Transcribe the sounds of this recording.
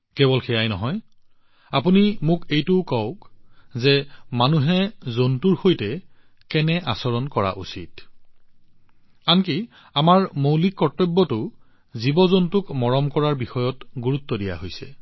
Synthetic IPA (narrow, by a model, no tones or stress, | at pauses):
kɛbɔlxʰɛjajnɔ̰ɦɔj | apunimʊkejtʊkɔʊkzɛmanuɦɛzontuɹxojtɛ | kɛnɛʔasɔɹɔnkɔɹa̰ʔṵsḭt̚ | anki | amaɹmowlik̚pɔɹtːɔbːɔtʊ | zibɔzontʊkmɔɹɔmkɔɹaɹbixɔjɔtɡuɹut̪ːɔdija̰ɦojsɛ̰